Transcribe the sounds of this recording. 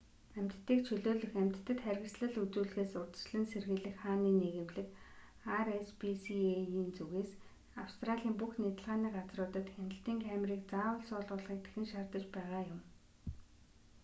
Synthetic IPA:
æm̥ʲt̪t̪ːiːk̚t͡ɕʰɵɮoːɮɵ̆xæm̥t̪̆ʰːɘ̆t̪χæɾɣɘ̆sɮə̆ɮut͡suːɮ̆xeːsʊrt̪̆t͡ɕɮɘ̆nserɣɘ̆ɮɘ̆xχaːniːneɣɘ̆mɮɘ̆kaɾespisieiːnt͡suɣeːs | aw̥st̪ʰraɮʲiːmpuxnet̪ə̆ɮʁaːniːɢat͡srʊːt̪ə̆t̪xæmʲt̪ɪ̆ɬt̪iːŋkʰæːmriːkt͡saːwə̆ɮsʊːɮʁʊːɮʁiːk̚t̪ʰe̥xɘ̆nʃart̪ə̆t͡ɕpæːʁaːjʊm

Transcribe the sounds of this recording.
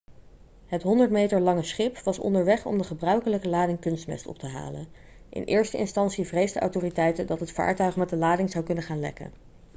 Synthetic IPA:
ɦətɦɔndəɹtmejtəɹlɑŋəsχɪpʋɑsɔ̰ndəɹʋɛχɔ̰mdəχəbrœɥkələkəlaːdɪŋkɵnstmɛ̰stɔ̰p̚təɦa̰ːlə̰n | ʔɪ̰nʔɪːɹstəɪ̰nstɑntsivrejzdəʔa̰wtoːritɛjtədɑtɦətfa̰ːɹtœɥχmɛt̚dəlaːdɪŋzɑwkɵnəχaːnlɛ̰kə̰n

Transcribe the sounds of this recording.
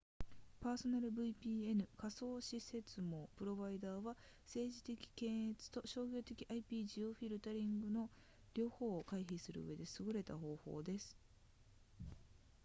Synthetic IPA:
paːso̞naɾɯ̟bɯ̟ipʲiːe̞nɯ̟kaso̞ːɕise̞t͡sɨmõ̞ːpɯ̟ɾo̞βaid̪aːβa | se̞ːʑit̪e̞kʲi̥kẽ̞ɰ̃et͡sɨ̥t̪o̞ɕo̞ːɡʲo̞ːt̪e̞kʲiʔaipʲiːʑioɸʲiɾɯ̟t̪aɾʲĩŋɡɯ̟no | ɾʲo̞ːho̞ːkaiçisɨɾɯ̟̰ɯ̰e̞d̪e̞sɨɡɯ̟ɾe̞t̪aho̞ːho̞̰ːd̪e̞sɨ̥

